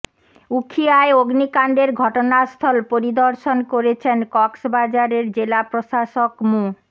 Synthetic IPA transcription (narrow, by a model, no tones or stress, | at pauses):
ukʰiaeoɡnikaɳɖeɾɡʱɔʈonast̪ʰɔlpoɾid̪oɾʃonkoɾet͡ɕʰenkɔksbad͡ʑaɾeɾd͡ʑelapɾoʃaʃokmu